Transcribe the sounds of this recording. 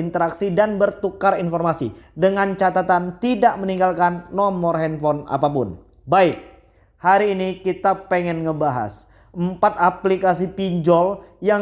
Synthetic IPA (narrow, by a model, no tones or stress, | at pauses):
int̪əɾaksidanbərt̪ukarinfɔrmasḭdəŋant͡ʃat̪at̪ant̪idaʔməniŋɡalkanːɔmɔrɦɛnfɔna̰papʊ̰n | baɪk̚ | haɾiːnikit̪apɛŋɛnŋəbaɦa̰s | ʔəmpat̪̚aplikas̬ipiɲd͡ʒɔlja